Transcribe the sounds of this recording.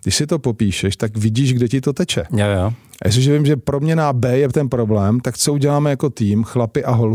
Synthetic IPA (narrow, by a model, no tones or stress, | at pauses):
ɡdɪʃsɪt̪o̞po̞piːʃɛʃt̪akvɪɟiːʒɡdɛcɪt̪o̞t̪ɛt͡ʃɛ̰jaja | ja̰s̬ɪʒɛvɪmʒɛpɾo̞mɲɛnabɛːjɛt̪ɛnpɾo̞blɛːmt̪akt͡souɟɛlaːmɛjako̞t̪iːmxlapɪʔaɦol